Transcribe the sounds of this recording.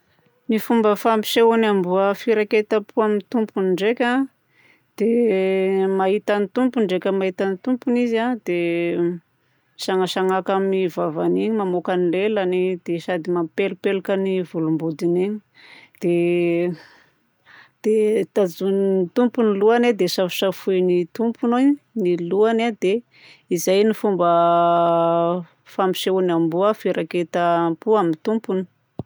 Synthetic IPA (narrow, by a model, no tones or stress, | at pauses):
nifumbəfampi̥ʃeunambuəfiɾaket̪apʰuamint̪umpunɳɖ͡ʐekʲa | d̪̥e | maɦit̪anit̪umpuɳɖ͡ʐekʲəmaɦit̪anit̪umpunizad̪̥e | ʃaŋaʃaŋakamivavaniɲimamokanilelanid̪̥esad̪imampelupelakənivulumbud̪iniɲi̥ | d̪̥e | d̪̥et̪ad͡zunit̪umpuniluanad̪esavi̥ʃafujnit̪umpunoniluanad̪e | izajnifumbə | fampi̥ʃeunambuəfiɾaket̪apuamint̪umpuni̥